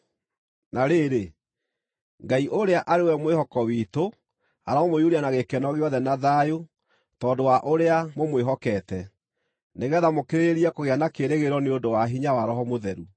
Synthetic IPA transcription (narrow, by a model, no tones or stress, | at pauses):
naɾeːɾe | ŋɡaiʔoɾeaʔaɾewɛmwehɔkɔwiːto | aɾaomojuɾianaɣekɛnɔɣeɔðɛnaðajo | tɔːdowaʔoɾeamomweɦɔkɛːtɛ | neɣɛðamokeɾeeɾiɛkoɣeanakeɾeɣeɾɔneondowaɦiɲawaɾɔɦɔmoðɛɾu